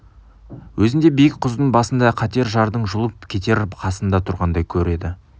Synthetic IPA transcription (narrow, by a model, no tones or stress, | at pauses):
wʔɵzɪnd̪e̞bijɪk̚qʰʊzd̪əɴbɑsənd̪ɑqʰɑt̪e̞ɾʒɑɾd̪əɴʒʊlˠəp̚kʲʰe̞t̪e̞ɾqʰɑsənd̪ɑt̪ʰʊɾʁɑnd̪ɑjkʲʰɵɾe̞d̪ɪ